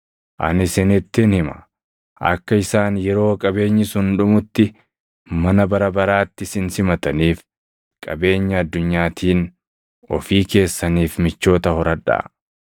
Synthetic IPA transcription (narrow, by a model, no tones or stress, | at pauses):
ʔɐ̰nɪsɪnɪt̪ːɪnhɪmɐ̥ | ʔɐ̰kːɐɪsaːnjɛɾo̞ːkʼɐbe̞ːɲːɪsʊnᶑʊmʊt̪ːɪ | mɐnɐbɐɾɐbɐɾaːt̪ːɪsɪnsɪmɐt̪ɐniːf | kʼɐbe̞ːɲːɐːd̪ːʊɲːaːt̪ʰiːn | ɔ̰fiːke̞ːsːɐniːfmɪt͡ʃːo̞ːt̪ɐhɔɾɐᶑa̰ː